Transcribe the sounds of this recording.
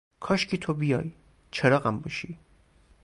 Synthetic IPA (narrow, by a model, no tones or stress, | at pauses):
kʰɒːʃcʰit̪ʰobijɒ̰ːj | t͡ʃʰeɾɒːɣæmbɒʃi